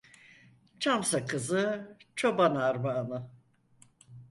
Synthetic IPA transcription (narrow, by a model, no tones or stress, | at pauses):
t͡ʃʰamsakʰɯzɯt͡ʃʰo̞banaɾbaːnɯ